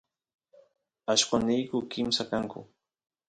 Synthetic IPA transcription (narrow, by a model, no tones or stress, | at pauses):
aʃkanijkʊkɪmsakaŋkʊ̰